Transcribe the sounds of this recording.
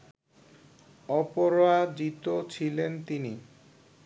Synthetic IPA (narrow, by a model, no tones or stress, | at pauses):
ɔpoɾoad͡ʑit̪ot͡ɕʰilent̪ini